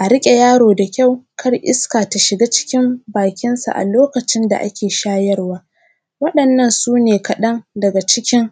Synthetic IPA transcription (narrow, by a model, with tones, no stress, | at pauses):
ʔa˨ɾɪ˦kʲʼe˨jaː˦ɽoː˨da˨kʲa˦˨wkʰɐ˦rʔɪ̰˦skaː˨ta˨ʃɪ˨ɡaː˦t͡ʃɪ̥˦kʲɪ˦mbaː˨kʲɪ˦nsa̰˨ʔa̰˨loː˦kɐ˨t͡ʃɪ˦nda̰˨ʔa˦kʲeː˨ʃaː˦jɐ˦rwaː˦ | wɐ˦ɗɐ˨nːɐ˦˨nsuː˦neː˨kɐ˨ɗɐ˦ŋdɐ˨ɡa˨t͡ʃɪ˦kʲɪ˦ŋ